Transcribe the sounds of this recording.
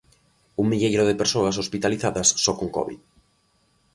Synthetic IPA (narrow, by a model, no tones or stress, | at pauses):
uŋmiʎejɾʊðɪpeɾsoɐs̬ospit̪aliθaðɐsːɔkoŋkɔ̰βḭð